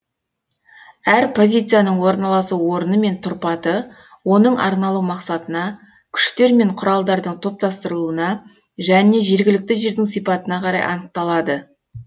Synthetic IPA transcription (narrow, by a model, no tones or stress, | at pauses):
æɾpʰo̞zʲijt̪sɨjanəɴwo̞ɾnɑlˠɑsuwo̞ɾənəme̞nt̪ʰʊɾpɑt̪ə | wo̞nəɴʔɑ̰ɾnɑlˠumɑqsɑt̪ənɑ | kʲʰʏ̥ʃt̪e̞ɾme̞ɴqʰʊɾɑlˠd̪ɑɾd̪əɴt̪ʰo̞p̚t̪ɑst̪əɾəlˠuənɑ | ʒæne̞ʒe̞ɾɡʲɪlɪk̚t̪ɪʒe̞ɾd̪ɪŋsijpɑt̪ənɑqʰɑɾɑ̰jʔɑ̰nəq̚t̪ɑlˠɑd̪ə